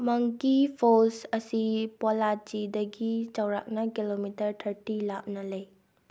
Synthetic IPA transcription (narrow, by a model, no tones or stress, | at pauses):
mɐŋkipʰosɐsipolad͡ʒidɐɡit͡ʃawɾa̰k̚nɐkilomitɐɾtʰɐɾtilap̚nɐlɐj